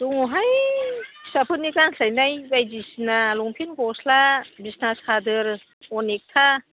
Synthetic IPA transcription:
d̥uŋuɦaj | sapʰɯnːikanɬajnajbajdisinaluŋpʰinkɔslabisnasadɯɾ | ɔnek̚tʰa

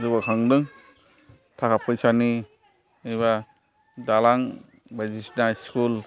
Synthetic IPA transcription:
zɯbakʰaŋdɯŋ | tʰakapʰɯjsani | ɯjβa | dalaŋ | bazisnaskul

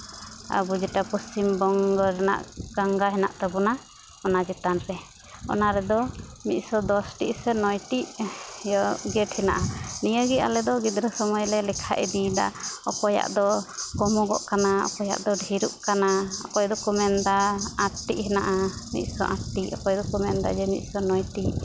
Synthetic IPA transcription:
a̰bud͡ʒɛʈapɔst͡ʃimbɔŋɡɔɾɛna̰ʔɡ̥aŋɡaɦɛna̰ʔt̪abuna | ɔnad͡ʒɛt̪anɾɛ | ɔ̰naɾɛd̪ɔmit̪̚sɔd̪ɔsʈḭʔsɛnɔjʈiʔjɔɡɛʈhɛna̰ʔanijəɡia̰lɛd̪ɔɡid̪ɾəsɔmɔjlɛlɛkʰa̰ʔid̪id̪a̰ɔkɔja̰ʔd̪ɔkɔmɔɡɔʔkanaɔ̰kɔja̰ʔd̪ɔɖʱiɾuʔkanaɔ̰kɔjd̪ɔkumɛnd̪aat̪ːiʔɦɛnaʔamḭt̪̚sɔ̰ʔat̪ːiɔ̰kɔjd̪ɔkumɛnd̪a̰d͡ʒɛmḭt̪̚sɔnɔjt̪iʔ

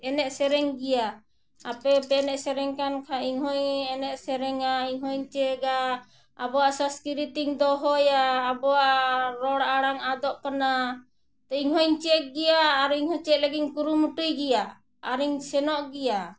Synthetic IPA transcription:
ɛnɛʔ̚sɛɾɛŋɡijaː | pɛpɛnɛʔsɛɾɛŋkankʰaiŋɦɔjɛnɛʔ̪̚sɛɾɛŋaiŋɦɔjɲt͡ʃɛɡaː | bɔwaʔsaskiɾit̪iŋd̪ɔɦɔjaːbɔwaʔɾɔɽaɽaŋad̪ɔʔkana | t̪ɔiŋɦɔjɲt͡ʃɛk̚ɡɛjaːɾiŋhɔt͡ʃɛʔ̪̚ləɡinkuɾumuʈujɡɛjaː | ɾiŋsɛnɔʔɡija

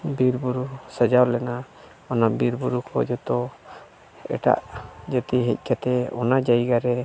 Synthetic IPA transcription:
biɾbuɾusəd͡ʒawlɛna | ɔnabiɾbuɾukʰɔ̰d͡ʒɔt̪ɔ | ɛ̰ʈa̰ʔd͡ʒət̪iɦɛc̚ˀkat̪ɛɔ̰nad͡ʒaiɡaɾɛ

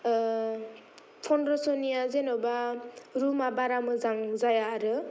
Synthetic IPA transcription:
pʰɔnɾɔsɔnijazenɔbaɾumabaɾamɯzaŋzajaːɾɯ

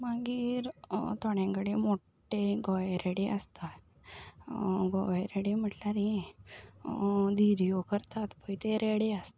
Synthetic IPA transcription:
maɡiːɾt̪ɔɽẽkəɽemoʈː | eɡɔjɾeɽeəst̪a | ɡɔjɾeɽem̤əʈlaɾĩ | d̪iɾijokəɾt̪at̪bəjt̪eɾeɽeəst̪a

